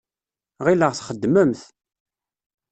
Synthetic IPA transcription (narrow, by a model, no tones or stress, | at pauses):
ʁiləʁθχəd̪ːməmθ